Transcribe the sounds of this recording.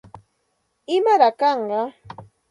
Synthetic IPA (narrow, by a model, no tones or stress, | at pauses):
ɪmaɾakɑɴɢɑ